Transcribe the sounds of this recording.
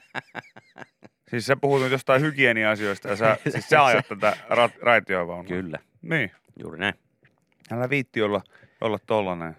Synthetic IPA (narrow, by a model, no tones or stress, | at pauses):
siːssepuhut̪nyt̪ost̪ɑihykieniɑsioist̪ɑjɑsesiːsseɑjɑt̪t̪æt̪ærɑt̪rɑit̪joːʋɑunkylːæ | niː | jṵːrinæin | ælːæʋiːt̪ːiolːɑ | o̰lːɑt̪t̪olːɑne